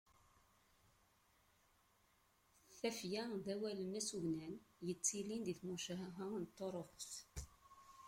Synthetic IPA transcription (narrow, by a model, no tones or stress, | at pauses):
θæfjæðæwælənæsuʝnænjət͡sːilind̪iθmuʃæɦɦənt̪ˤːoɾˤoχs